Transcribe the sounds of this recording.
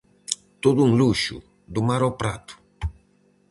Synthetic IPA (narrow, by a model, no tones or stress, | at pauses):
t̪oðʊuŋluʃʊ̰ | d̪umaɾɔpɾat̪ʊ̥